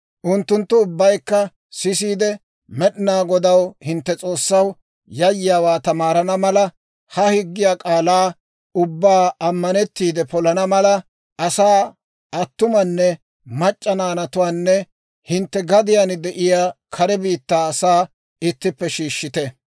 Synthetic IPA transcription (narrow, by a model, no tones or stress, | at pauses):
ʔʊnt̪ːʊnt̪ːʊːbːɐjkːɐ | sɪs̬iːd̪ɛ | mɛɗɪnaːɡɔd̪ɐwhɪnt̪ːɛt͡sʼo̞ːsːɐw | jɐjːɪjaːwaːt̪ɐmaːɾɐnɐmɐlɐ | hɐhɪɡːɪjaːkʼaːlaː | ʊbːaːɐmːɐnɛt̪ːiːd̪ɛpɔlɐnɐmɐlɐ | ɐsaː | ɐt̪ːʊmɐnːɛ | mɐt͡ʃʼːɐnaːnɐt̪ʊwaːnːɛ | hɪnt̪ːɛɡɐd̪ɪjanɪd̪ɛʔɪjaːkʰɐɾɛbiːt̪ːaːsaː | ɪt̪ːɪpːɛʃiːʃːɪt̪ɛ